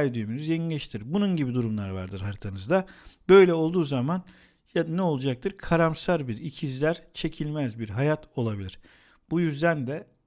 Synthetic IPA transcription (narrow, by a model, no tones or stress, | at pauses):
jd̪yjmynyzjelʲɛʃt̪ʰiɾbununɟibid̪uɾumlˠaɾva̰ɾd̪ɯɾɦaɾt̪ʰanɯzd̪abø̞jlʲɛo̞lˠd̪uːzaman | janɛolˠud͡ʒak̚t̪ʰɯɾkʰaɾamsaɾbiɾicʰizlʲæɾt͡ʃʰe̞cʰilʲmæzbiɾɦajat̪ʰo̞lˠabilʲiɾ̥ | b̥ujyzd̪ænd̪ɛ